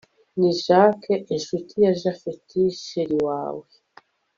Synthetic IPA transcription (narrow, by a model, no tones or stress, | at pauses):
niʒakeʔeʃutijaʒafetʰiʃeɾiwaːwe